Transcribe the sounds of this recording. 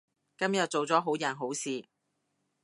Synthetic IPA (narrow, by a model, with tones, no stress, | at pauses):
kɐ˥mjɐ˨t̚t͡so˨wt͡sɔː˨˥ɦo˨˥wjɐ˨˩nɦo˨˥wsiː˨